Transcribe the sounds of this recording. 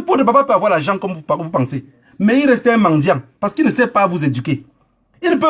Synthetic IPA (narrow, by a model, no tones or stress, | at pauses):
podbabapavwalaʒaŋkɔmpupaŋse | meiɾestɛmaŋdjaŋpaskinisepavuzeduke | inpe